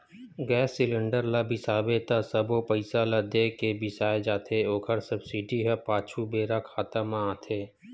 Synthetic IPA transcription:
ɡɛːsːɪlɪ̃ɳɖəɾlabʱɪsaːbet̪asɐbopɐɪsalad̪eːkebʱɪsaːed͡ʒaːt̪ʰeoːkʰəɾsɐbsɪɖiɦɛpaːt͡ʃʰubeːɾakʰaːt̪amãaːt̪ʰeː

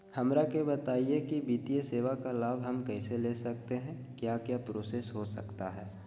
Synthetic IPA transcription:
hɐmɾakebɐt̪aːiekibiːt̪ijeseːʋakalaːbʱɦɐmkɛːseleːsɐk̚t̪eɦɛ̃ | kjaːkjaːpɾoːsesɦosɐ̰kt̪aɦɛː

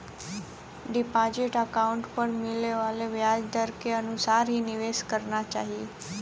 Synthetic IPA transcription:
ɖipad͡ʑeʈəkauɳʈpəɳmileʋaleʋjad͡zd̪ʱəɾkeənusaɾɦiːniʋeskəɾɳat͡ɕaɦi

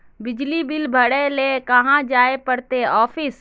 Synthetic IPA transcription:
bɪd͡ʒlibɪlbʱəɽelekɐɦãd͡ʒaːepəɽt̪eɔːpʰɪs

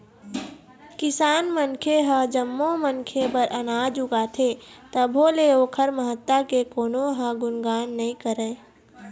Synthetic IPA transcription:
kɪsaːnmənkʰeɦə̃d͡ʒəmːomənkʰepəɾʔənaːd͡ʒʊɡat̪ʰet̪əbʱɦoleoːkʰəɾməɦət̪ːakekoːnoɦə̃ɡʊnɡaːnːəĩkəɾeː

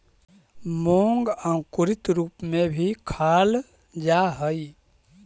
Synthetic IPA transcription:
moŋɡãkʊɾit̪ɾuːpmebʱikʰal | d͡ʒaɦəi

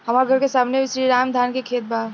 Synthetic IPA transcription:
ɦɐmaːɾɡʱɐɾkesaːmneɪsɾiːɾaːmd̪ʱaːnkekʰeːt̪̚baː

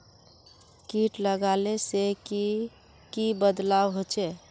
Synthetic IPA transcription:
kiʈləɡaleseki | kibəd̪lawɦot͡ʃʰɛ

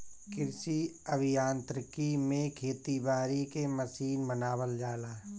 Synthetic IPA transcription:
kɪɾsiəbʱɪjãːnt̪ɾəkimẽkʰeːt̪ibaːɾikeməsiːnmənaːwəld͡ʒaːlaː

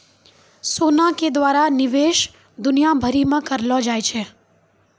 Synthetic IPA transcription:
sonaked̪ʋaɾanɪʋeʃ | d̪ʊnijabʱəɾimãkəɾlod͡ʒajt͡ʃʰe

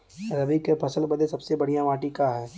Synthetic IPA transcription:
ɾɐbikepʰɐsəlbɐd̪esɐbsebɐɽ̤ijaʋaːʈikaɦɛː

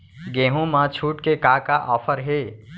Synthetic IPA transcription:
ɡeɦũmãt͡ʃʰuːʈkekakaʔɔːpʰəɾɦe

